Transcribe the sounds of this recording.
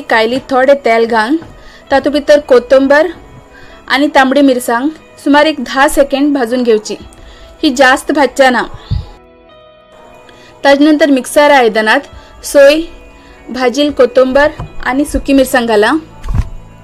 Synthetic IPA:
kajlit̪ʰɔɽet̪ɛlɡʱant̪at̪upit̪əɾkot̪ombəɾ | a̰nit̪ãmɽimiɾsãŋɡ | sumaɾekd̪ʱasekeɳɖbʱad͡zuːnɡʱewt͡ɕihid͡ʑast̪bʱad̚t͡ɕana | t̪ad͡znənt̪əɾmiksaɾːjd̪anat̪soj | bʱad͡ʑiːlkot̪ombəɾa̰nisukimiɾsãŋɡʱala

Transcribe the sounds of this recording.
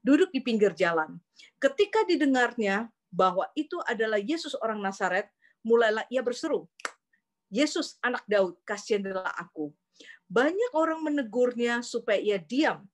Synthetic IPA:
dudʊk̚dipiŋɡɪrd͡ʒalan | kət̪ikadidəŋarɲa | baɦwaʔit̪uʔadalahjesʊsoɾaŋnasaɾɛt̪̚ | mulajlahiabərsəɾu | jesʊsanak̚daʊt̪̚kasiandla̰ɦa̰ku | baɲak̚oɾaŋmənəɡʊrɲasupajaiadiam

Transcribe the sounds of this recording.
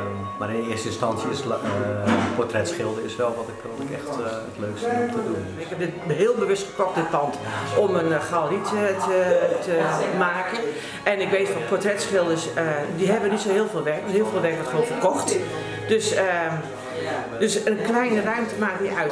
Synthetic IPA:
maɾɪnɪəstəɪ̃nstɑnsjəɪs | pʰɔtrɛtsχɪlˠdəɪsʋɛlˠʋɔtɪkɔtɪkɛ̰xtətløːksttədun | ɪkhɛp̚dɪt̚ɦɪːəlˠbəʋɵstχəkɔx̚dətpɑntɔmənχalˠrittətʰəmaːkən | ʔɛnɪkʋeːtfɔnpʰɔtrɛtsχɪlˠdəsdiɦɛbənitsoɦɪːlˠveːlˠʋɛrkənheːlˠveːlˠʋɛrkʋɔtχʋoːnfərkɔxt | d̥øsə | døsənklɛjnərœɥmtəmaːktniœɥt

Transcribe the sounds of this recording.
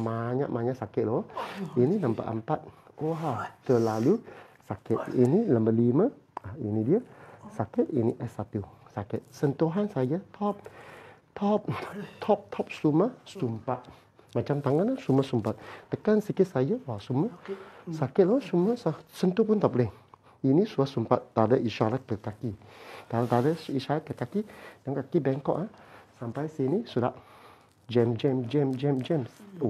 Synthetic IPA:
maɲa̰ʔmaɲaʔsakɛt̪̚lɔʔininampa̰ʔə̰mpat̪̚ | oɦat̪əlalusakɛt̪̚iniləmbəlimə | ainidiəsaket̪̚iniʔɛsat̪usaket̪̚sənt̪uɦansajət̪ʰɔp̚t̪ʰɔp̚t̪ʰɔp̚t̪ʰɔp̚st̪uməst̪umpaʔ | mãt͡ʃamt̪aŋanasumasumpat̪̚t̪əkansəkɪt̪̚sajəwasumasakɪt̪̚lasumasasənt̪upunt̪aplɛŋ | inĩsuasumpat̪̚d̪adəiʃalakəkakit̪alad̪adəiʃalakəkakidəŋkakibɛŋkɔ̰ʔasampajsinisuda̰ʔ | d͡ʒɛmd͡ʒɛmd͡ʒɛmd͡ʒɛmd͡ʒɛms

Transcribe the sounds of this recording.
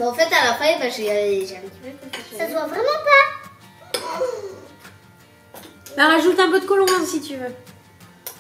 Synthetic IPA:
bɛɑ̃fɛt̪alapχɛɛbaʒeaʒamɛt̪vɛkasadwavʁɛmɑ̃pa | baʁaʒut̪ɛ̃p̬ød̪əkɔlɔ̃ɛ̃sit̪yvø

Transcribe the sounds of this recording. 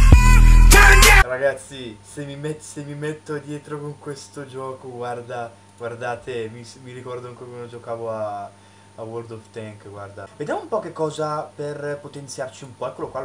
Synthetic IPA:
raɡat̪sːisemimet̪semimet̪ːod̪jɛːt̪ɾokoŋkwest̪od͡ʒɔːkoɡward̪a | ɡward̪aːt̪emismiɾikɔrd̪oaŋkokwanod͡ʒokaːvoaː | word̪ɔft̪ɛŋkɡward̪aved̪jamoumpɔkekːɔːzaperpot̪ent̪sjart͡ʃiumpɔɛkːolokwal

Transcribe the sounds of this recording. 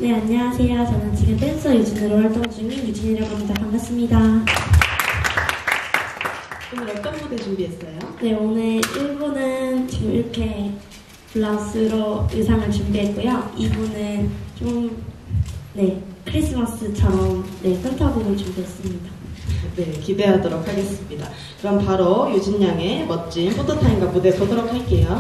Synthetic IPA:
ne̞aɲːasʰeat͡ɕʰanant͡ɕʰiɡepʰensʰʌjud͡ʑɯnɯɾowaɭt͈oŋd͡ʑuŋɯjud͡ʑʰiɲiɾjʌɡamid͡ʑʰakʰamɡas͈ɯmɲida | onɯɾʌk͈ʌnɡudet͡ɕumbiɦes͈ʌjone̞onɯɭjuɭɡunɯnt͡ɕiɡɯmḭɾʌkʰe̞ | puɭːas͈ʰɯɾoɯsʰaŋɯɭt͡ɕumbiɦe̞t̚k͈ujoibunɯnt͡ɕom | ne̞kʰɯɾis͈ɯmas͈ʰɯt͡ɕʰʌmne̞kʰʌntʰaboɾot͡ɕumbiɦe̞s͈ɯmɲidane̞kibe̞ɦadoɾok̚haɡe̞s͈ɯmɲida̰ | kɯɾʌmpaɾojud͡ʑinːaŋe̞mʌt̚t͡ɕ͈impʰotʰɯtʰainɡamudepʌdoɾokʰaɭk͈e̞jo

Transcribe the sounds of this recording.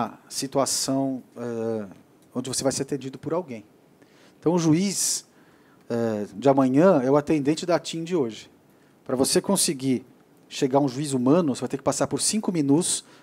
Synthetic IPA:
sit̪uasɐ̃w̃ɛ | õd͡ʒɪvosevajseɾat̪ẽnd͡ʒid̪ʊpʊɾawɡẽj̃ | ẽt̪ɐ̃w̃ʊʒuis | ɛd͡ʒɪamɐ̃ɲɐ̃ɛʊat̪ẽnd̪ẽnt͡ʃɪd̪at͡ʃĩd͡ʒɪoʒɪ | pɾɐvosekõsɪɡi | ʃeɡaɾũʒuizumɐ̃nʊosevajt̪ekɪpasaɾpoɾsĩkʊmĩnut̪ʊ̥s

